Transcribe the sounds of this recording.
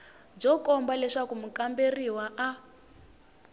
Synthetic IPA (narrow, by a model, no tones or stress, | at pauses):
b͡ʐɔkɔmbalɛʂakumukamberiwaʔa